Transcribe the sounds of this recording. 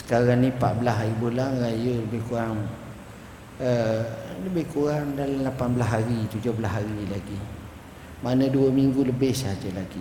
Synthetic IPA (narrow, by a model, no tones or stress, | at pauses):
sə̥kaɾaŋnipa̰ʔbəlasaɣibulaŋɾajələbɪhkuɾaŋ | ələbɪhkuɾaŋdalamlapanbəlaɦaɾit̪ud͡ʒʊhbəlaɦaɾilaɡi | manəduəmiŋɡuləbɪhsaɦad͡ʒəlaɡi